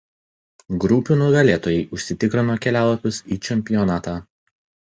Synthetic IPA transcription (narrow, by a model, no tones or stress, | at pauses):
ɡɾʊpʲunʊɡɐlʲeːt̪oːjɛɪʔʊʃʲsʲɪt̪ʲɪkɾʲɪnoːkʲɛlʲæːlˠɐpʲʊsiːt͡ʃʲɛmʲpʲɪjɔnɑːt̪ɑː